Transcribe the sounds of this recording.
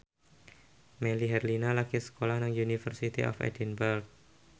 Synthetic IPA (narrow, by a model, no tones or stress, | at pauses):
meliɦɛrlinalakisə̥kolahnaŋjunifərsit̪ḭʔɔ̰fɛ̰dɛnbəlk̚